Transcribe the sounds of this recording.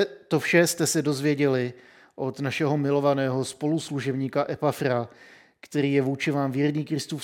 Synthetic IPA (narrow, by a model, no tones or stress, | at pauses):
t̪o̞fʃɛst̪ɛsɛdo̞zvjɛɟɛlɪ | ʔo̞t̪naʃɛɦo̞mɪlo̞vanɛːɦo̞spo̞lusluʒɛbɲiːkaʔɛpafɾa | kt̪ɛɾiːjɛvuːt͡ʃɪvaːmvjɛɾɲiːkɾɪst̪uːf